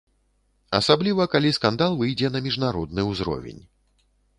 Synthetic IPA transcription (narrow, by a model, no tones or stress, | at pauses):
ɐsablʲivɐkalʲiskand̪alˠvɨjd͡zʲɛnɐmʲiʐnaɾɔd̪̚nɨwzɾɔ̰vʲḛnʲ